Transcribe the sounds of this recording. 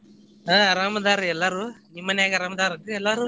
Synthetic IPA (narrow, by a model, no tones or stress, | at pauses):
aɐɾaːmɐd̪aːɾɛlːaːɾũnimːɐnaːɣɐɐɾaːmɐd̪aːɾɐʈːɯɛlːaːɾũ